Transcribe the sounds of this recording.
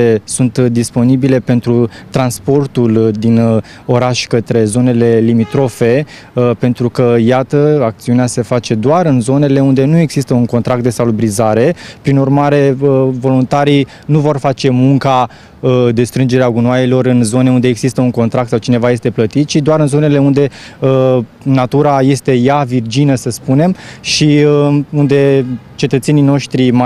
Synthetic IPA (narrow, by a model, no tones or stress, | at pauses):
esunt̪d̪ispo̞nibile̞pe̞nt̪ɾut̪ɾanspo̞rt̪uld̪in | o̞ɾaʃʲkət̪ɾe̞zo̞ne̞le̞limit̪ɾo̞fe̞ | pe̞nt̪ɾukəjat̪əak̚t̪siunease̞fat͡ʃe̞d̪oaɾɨnzo̞ne̞le̞und̪e̞nue̞ɡz̥ist̪əuŋko̞nt̪ɾak̚t̪̚d̪e̞salubɾizaɾe̞pɾinurmaɾe̞əvo̞lunt̪aɾi | nuvo̞rfat͡ʃe̞muŋka | əd̪e̞st̪ɾɨnd͡ʒeɾeaɡunwajelo̞ɾɨnzo̞ne̞und̪eːɡzist̪əuŋko̞nt̪ɾakt̪sawt͡ʃine̞vaje̞st̪e̞plət̪it̪ʃid̪oaɾɨnzo̞ne̞le̞und̪e̞ə | nat̪uɾaje̞st̪e̞javird͡ʒinəsəspune̞mʃiəund̪e̞ | t͡ʃe̞t̪ət̪senino̞ʃt̪ɾim